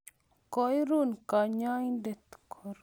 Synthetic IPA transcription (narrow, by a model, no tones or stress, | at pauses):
kojɾuːnkaɲaːĩɖet̪kʰoɾ